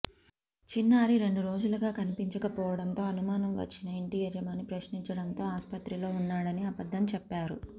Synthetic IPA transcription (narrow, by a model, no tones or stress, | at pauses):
t͡ʃinːaːɾiɾe̞ɳɖuɾo̞ːd͡ʒulɐɡaːkɐnipiɲt͡ʃɐkɐpɔːʋɐɽɐnt̪o̞ːɐnumaːnɐmʋɐ̰t͡ʃːinɐeɳʈiːjɛd͡ʒɐmaːnipɾɐʃniɲt͡ʃɐɽɐnt̪o̞ːaːspɐt̪ɾilo̞ːunːaːɽɐniɐbɐd̪ːɐmt͡ʃɛpːaːɾṵ